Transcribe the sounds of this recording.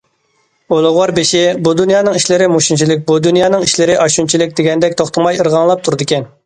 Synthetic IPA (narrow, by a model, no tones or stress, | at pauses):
olˠʊʁwɑɾbeʃɪbud̪unjɑːnɨŋiʃlɪɾɪmuʃunt͡ʃʰilɪk̬̚ʲbud̪unjɑːnɨŋiʃlɪɾɪʔɑʃunt͡ʃʰilɪkʲd̪ɪɡʲɛnd̪ɛkʲt̪ʰoχt̪ʰəmɑjəɾʁɑŋlˠɑp̚t̪ʰuɾɨd̪ɨkʲɛn